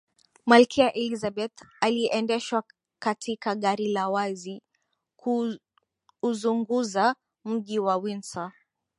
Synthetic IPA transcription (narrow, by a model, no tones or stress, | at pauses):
malkʰiaʔɛlizaɓɛt̪aliʔɛndɛʃwa | katikaɠaɾilawazi | kʰuː | zuŋɡuza | m̩ʄiwawinsa